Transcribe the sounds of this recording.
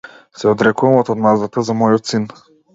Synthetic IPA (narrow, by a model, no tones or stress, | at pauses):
sɛɔd̪ɾɛkuvamɔt̪ɔd̪nazd̪at̪azamɔjɔt̪sin